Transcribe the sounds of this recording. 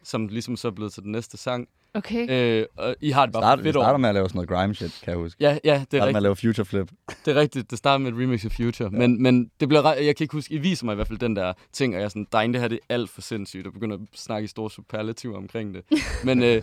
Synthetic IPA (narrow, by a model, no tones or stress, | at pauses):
sɒ̽mlisɒ̽msɒ̽ɐb̥le̝ːð̞̩ˠt͡sʰedenːesd̥əsɑ̈ŋ̰ | okʰeøɒ̽ʔiɦɑ̈d̥e̝b̥ɑ̈fe̝ɾɒɑːɾɐmeælɛːʊsɔnoð̩ˠɡ̥ʁɑ̈ɪmɕed̥kʰæjahusɡ̥jæjæd̥e̝æmelɛːʊfjuɕʰɐfleb̥d̥e̝ɐʁɛɡ̥̚d̥id̥d̥e̝sd̥ɑ̈ːɾ̥ɐmeedʁimeɡ̥sɒfjuɕʰɐmenmend̥e̝b̥liɐʁɑjɑ̈ɪkʰæe̝ɡ̥husɡ̥iʋḭːsɐmɑ̈ɪiʋæɐ̰fæl̰d̥end̥æɐt͡sʰe̝ŋ̰ɒ̽jɑ̈sɒnd̥ɑ̈ɪnd̥əhæɾ̥e̝æl̰d̥fɒ̽se̝n̰sy̰ːd̥ɒb̥eɡ̥øn̰ɐsnɑ̈ɡ̥əisd̥o̝ːɐsupʰæɐlæt͡sʰiʊɒ̽mkʰʁeŋ̰d̥e̝menø